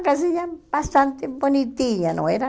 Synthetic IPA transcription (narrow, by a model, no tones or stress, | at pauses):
kas̬iɲabast̪ant̪ebonit̪iʎanõ̰eɾa